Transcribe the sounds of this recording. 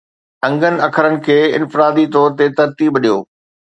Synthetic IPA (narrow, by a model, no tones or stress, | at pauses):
ɐ̃ŋɡənɪ̆ɐkʰəɾənɪ̆kʰeːɪ̰nfɪɾaːd̪it̪ɔːɾt̪et̪ɐɾt̪iːbɐɗijoː